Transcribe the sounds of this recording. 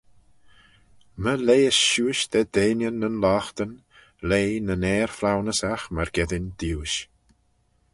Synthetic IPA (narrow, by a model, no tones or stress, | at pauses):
məlejəsʃuːʃd̪ɛd̪eːnjənːənlaːxt̪ən | leːnənɛːɹflawnəsaxməɹɡɛðɪnd̪̥iwʃ